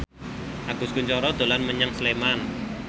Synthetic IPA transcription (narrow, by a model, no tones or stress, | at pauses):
ʔaɡ̥ʊ̤skuɲt͡ʃɔɾɔd̪̥o̤lanməɲəŋsleman